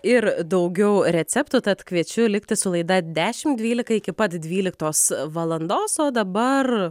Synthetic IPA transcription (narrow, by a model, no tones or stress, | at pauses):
ɪɾd̪ɐʊɡʲɛʊɾʲɛsʲɛpt̪ʊt̪ɐt̪kʋʲiɛt͡ʃʲʊlʲɪkt̪ʲɪsʊlˠɐɪd̪ɐd̪ʲæːʃʲɪmd̪ʲʋʲiːlʲɪkɐɪkʲɪpɐt̪d̪ʲʋʲiːlʲɪk̚t̪oːsʋɐlˠɐnd̪oːsoːd̪ɐbɐr